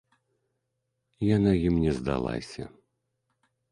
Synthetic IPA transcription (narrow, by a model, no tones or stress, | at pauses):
janajimnʲɛzd̪a̰lˠa̰sʲɐ̰